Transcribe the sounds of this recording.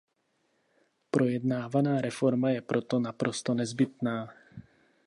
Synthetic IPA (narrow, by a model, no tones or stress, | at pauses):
pɾʔo̞jɛdnaːvanaːɾɛfo̞ɾmajɛpɾot̪o̞napɾʔo̞st̪o̞nɛzbɪt̪naː